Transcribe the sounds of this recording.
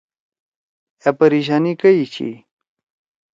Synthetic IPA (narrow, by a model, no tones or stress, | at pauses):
apɐɾiɕ̬aːnikɐit͡ɕʰḭ